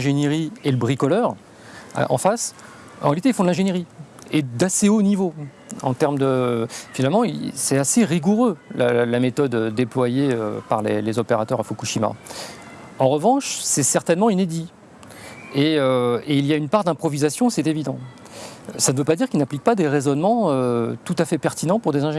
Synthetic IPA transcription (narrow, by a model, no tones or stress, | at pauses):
ɛ̃ʒenjeʁieləbʁikɔlœʁ | a̰ɑ̰̃fas | ɑ̰̃ʁealit̪eilfɔ̃d̪lɛ̃ʒeneʁied̪aseonivo | ɑ̰̃t̪ɛʁmd̪əfinalmɑ̃isɛt̪aseʁiɡuʁølalamet̪ɔd̪ød̪eplwajeø̰paʁlḛlezɔpeʁat̪œʁafoukuʃima̰ | ɑ̃ʁəvɑ̃ʃsɛsɛʁt̪ɛnmɑ̃yned̪i | eøeiljaynpaʁd̪ɛ̃pχɔvizasjɔ̃sɛt̪evid̪ɑ̃ | sanəvøpad̪iʁkilnaplik̚pad̪eʁezɔnmɑ̃øt̪ut̪afɛpɛʁt̪inɑ̃puʁd̪ezɛ̃ʒ